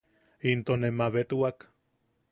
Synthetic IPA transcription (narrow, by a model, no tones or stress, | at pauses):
int̪onemaβet̪uak